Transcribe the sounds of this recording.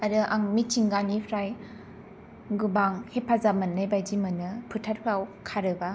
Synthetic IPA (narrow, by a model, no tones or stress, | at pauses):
aɾɯʔaŋmitt͡ʃiŋɡanipʰɾaj | ɡubaŋhepʰazamanːajbajd͡ʒimɯnɯpʰɯtʰat̚pʰɾawkʰaɾɯba